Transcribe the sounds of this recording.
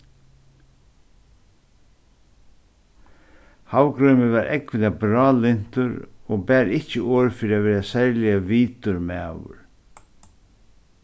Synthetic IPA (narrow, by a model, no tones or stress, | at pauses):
hawkɾœɥmɪvaɾʔɛ̰kʋɪnabɾɑːlɪn̥t̪ʊɾɔbæːɾɪhcɪʔoːɹfɪːɾɪavɛːɾasɛɾlɪjaviːt̪ʊɾmæ̰ːʋʊ̰ɹ